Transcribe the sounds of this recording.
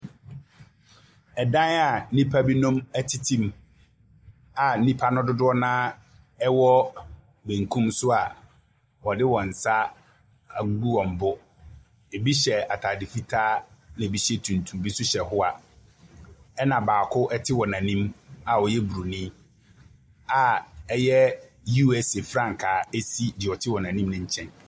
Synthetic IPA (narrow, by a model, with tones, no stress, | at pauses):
ɛ˨dã˦na˨˦nĩ˦pʰa˦bi˦nũ˦mæ˦tʰi˨tʰĩ˦m | a˨nĩ˦pʰa˦nʊ̃˦dʊ˦dʊ˦ɔ˦nãː˦ | ɛ˦wɔ˦ | bẽ˨ŋ̩˨kʰũ˦msʊ˦a˨ | wɔ˨dɪ˦wɔ̃˨n̩˨sa˦˨˦ | ɡu˦ɔ̃˨m̩˨bʊ˦ | e˨bi˦ɕɛ˨a˨tʰa˨dɪ˨fi˦tʰaː˦nã˨bi˦ɕɛ˦tʰũ˨n˨tʰũ˨m˨bi˦sʊ˦ɕɛ˨hʊ˦a˨ | ɛ˦nã˨baː˨kʰʊ˦ʔɛ˦tʰɪ˦wɔ˨nã˨nĩ˦ma˨ɔ˨jɛ˦bu˨ɾu˨nĩ˦ | a˨ɛ˦jɛ˦ | ju˦ɛ˦se˨fɾã˦ŋ˨kʰaː˨e˦si˦dɪ˨ɔ˨tʰɪ˦wɔ˨nã˨nĩ˦mnʊ̃˦ɲ̩˦t͡ɕʰɛ̃˦n